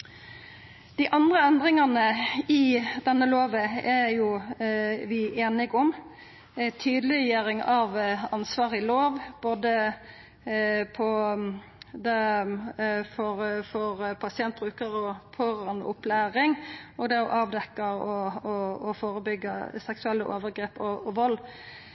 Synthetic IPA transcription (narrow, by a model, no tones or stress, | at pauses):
d̪̥ɪʔɑnd̪ʁəɛnd̪ʁɪŋɑnəɪd̪ɛnːəloːʋəɛjʊ | ʋɪʔeːnɪɡɔm | t̪ʰyːd̪lɪjøːɾɪŋɑʋɑnsʋɑːʁɪloːʋboːd̪ə | pʰɔ | d̪ɛ | fɔɾfɔɾpʰɑsɪɛnt̪̚bɾʉːkəɾɔpʰɔʁɑnʊ̰plæːɾɪŋɔd̪ɛɔʔɑːʋd̪ɛkːəɔɔːfoːɾəbʏɡːəsɛksʉɛlːəʔo̰ːʋəɾɡɾeːpɔɔʋɔlː